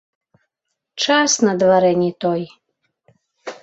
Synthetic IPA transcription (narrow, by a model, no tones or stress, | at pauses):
t͡ʃasnad̪vaɾɛnʲit̪ɔj